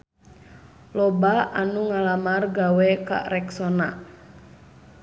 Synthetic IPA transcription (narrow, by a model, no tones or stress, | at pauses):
lɔbaanuŋalamarɡawɛka̰ʔrɛksɔna